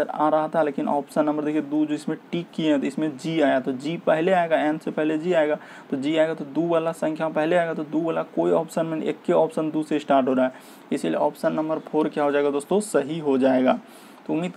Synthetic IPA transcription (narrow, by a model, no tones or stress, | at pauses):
əɾa̰ɾɐɦat̪ʰaɦɛleːkɪnʔɔ̰ːpʃənːɐmbəɾd̪eːkʰied̪ud͡ʒoːɪsmẽʈiːkːiɦɛ̃t̪oɪsmẽd͡ʒiaːjat̪od͡ʒipɛɦleaːeːɡaɛnsepɛɦled͡ʒiaːeɡa | t̪od͡ʒiaːeɡat̪od̪uːʋaːlasə̃ŋkʰjapɛɦleaːeɡat̪od̪uːaːlakoːiɔːpʃənmẽnḛːkːeɔːpʃənd̪uːseɪsʈaːɾʈɦoːɾaaɦɛ | ɪsiliḛɔːpʃənːɐ̃mbəɾpʰoːɾkjaɦod͡ʒaːeɡad̪oːst̪õsɐɦiɦod͡ʒaːeɡa̰ː | t̪oʊmiːt̪